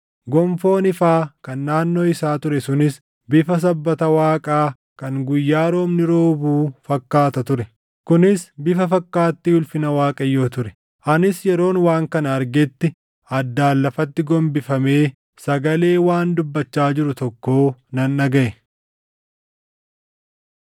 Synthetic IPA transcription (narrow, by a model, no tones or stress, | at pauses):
ɡɔmfo̞ːnɪfaːkɐnːaːnːo̞ːɪsaːt̪ʊɾɛsʊnɪs | bɪfɐs̬ɐbːɐt̪ɐwaːkʼaː | kɐŋɡʊjːaːɾo̞ːmnɪɾo̞ːbuːfɐkːaːt̪ɐt̪ʊɾɛ | kʊnɪsbɪfɐfɐkːaːt̪ːɪhʊlfɪnɐwaːkʼɐjo̞ːt̪ʊɾɛ̥ | ʔɐnɪsjɛɾo̞ːnwaːŋkɐnɐɐɾɡɛt̪ːɪ | ɐd̪ːaːlːɐfɐt̪ːɪɡɔmbɪfɐme̞ː | sɐɡɐle̞ːwaːnd̪ʊbːɐt͡ʃːaːd͡ʒɪɾʊt̪ɔkːo̞ːnɐnːɐɡɐʔɛ